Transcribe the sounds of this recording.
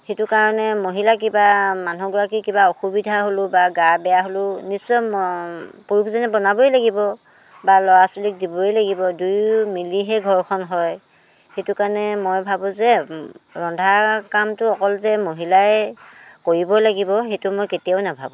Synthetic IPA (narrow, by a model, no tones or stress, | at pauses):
xetʊkaɹɔnɛmoɦilak̬ibamanuɡɔɹak̬ikibaoxubidʱaɦolʊbaɡaɹbɛjaɦolʊnisːɔmpoɹukʰzanɛbɔnabɔjlaɡibɔ | balɔwasulik̚dibɔelaɡibɔdujmiliɦɛɡʱɔɹkʰɔnɦɔj | xetʊkaɹɔnɛmojbʱabʊ̃zɛɹɔndʱakamtʊɔkɔlzɛmoɦilaɛkoɹibɔlaɡibɔxetʊmojketijaʊnabʱabʊ̃